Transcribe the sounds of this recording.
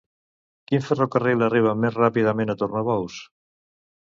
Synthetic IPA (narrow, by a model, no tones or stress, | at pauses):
kiɱferokarilariβ̞amːezrapiðamẽnat̪urnaβɔws